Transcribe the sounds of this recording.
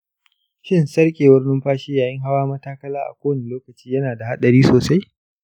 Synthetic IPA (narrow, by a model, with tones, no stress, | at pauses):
ʃɪ˦nsɐ˦rkʲʼeː˨wɐ˦rnɪ˦mɸaː˦ʃiː˦jaː˨jɪ˦ŋɦa˦waː˦mɐ˦taː˦kɐ˦laː˦ʔa̰˨kʷoː˦ni˨loː˦kɐ˨t͡ʃiː˦jɐ˦naː˨da˨ha˦ɗɐ˨ɾiː˦soː˨sa˦j